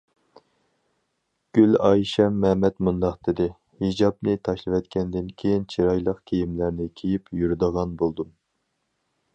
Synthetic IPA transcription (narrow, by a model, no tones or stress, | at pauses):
ɡ̥ʲylɑjʃɛmːɛmɛt̪mund̪ɑqd̪ɪd̪ɪ | hid͡ʒɑbnɪt̪ʰɑʃlˠɨvɛt̪kʲʰɛnd̪ɪnkʲʰejint͡ʃʰiɾɑjlˠəqkʲʰejimlæɾnɪkʲʰejipjyɾd̪əʁɑnbolˠd̪um